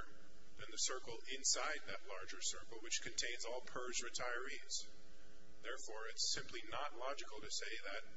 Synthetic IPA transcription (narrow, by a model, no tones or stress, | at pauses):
ðɨ̃nðɨsɜ˞kl̩ˠɪ̃nsaɪd̪̚ðɨtˡlɑɹd͡ʒə˞sɜ˞kl̩ˠwɨt͡ʃkʰɨ̃ntʰẽɪ̃nzɔlˠpʰɜ˞zɹɨtʰaɪə˞iz̥ | ðɛɹfɔɹɪtsɪ̃mpʰlinətˡlɑd͡ʒɨkl̩ˠtɨseɪðɨt̚